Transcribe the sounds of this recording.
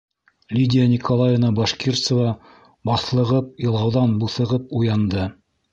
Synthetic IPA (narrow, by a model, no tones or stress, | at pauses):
lʲidʲɪjanʲikolˠajənɑboʃkʲirt̪sə̆vɑ | bɑθlˠɤ̆ʁɤp̚jɤ̆lˠɑwðɑnbuθɤ̆ʁɤp̚ujɑnd̪ɤ